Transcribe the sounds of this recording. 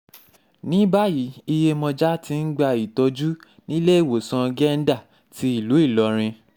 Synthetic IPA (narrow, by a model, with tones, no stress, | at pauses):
nĩ˦ba˦ji˨˦i˧je˧mɔ̃˧d͡ʒa˦ti˧n̩˦ɡ͡ba˧i˨tɔ˧d͡ʒu˦ | nĩ˦le˦i˦˨wo˨sã˧ɡɛ˦˧n̩˦da˦˨ | ti˧˦i˦˨lu˨˦i˦˨lɔ˧ɾ̃ĩ˧